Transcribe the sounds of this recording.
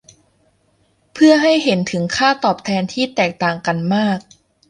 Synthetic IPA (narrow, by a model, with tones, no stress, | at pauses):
pʰɯ˥˩ɐɦa˥˩jɦe˩˦nt̪ʰɯ˩˦ŋkʰaː˥˩t̪ɔː˨˩p̚t̪ʰɛː˧nt̪ʰiː˥˩t̪ɛː˨˩k̚t̪aː˨˩ŋka˧nmaː˥˩k̚